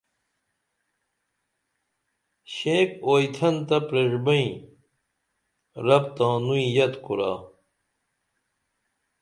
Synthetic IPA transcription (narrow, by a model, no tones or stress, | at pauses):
ɕẽːkoːjt̪ʰɐnt̪ɐpɾeʐbɐĩ | ɾɐpt̪ãːnuĩjɐt̪kuɾa̰ː